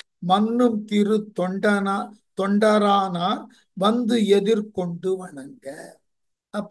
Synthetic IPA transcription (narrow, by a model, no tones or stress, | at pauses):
mɐnːɯmt̪ɪɾɯt̪ːɔɳɖɐnaːt̪ɔɳɖɐɾaːnaːɾ | ʋɐnd̪ɯɛðɪɾkɔɳɖɯʋɐɳɐŋɡɐ | ʔɐpː